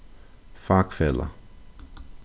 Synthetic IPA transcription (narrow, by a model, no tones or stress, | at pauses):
fakfɛla̰